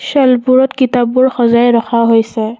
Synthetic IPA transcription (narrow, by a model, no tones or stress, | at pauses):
sɛlpuɹɔtkitabʊɹxɔzajɹɔxʰaɦojsɛ